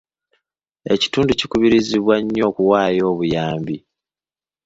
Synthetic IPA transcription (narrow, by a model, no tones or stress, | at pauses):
e̞̰ci̥tuːnducikuβiɾiziβwaɲːo̞ːkuwaːjo̞ːβujaːmbi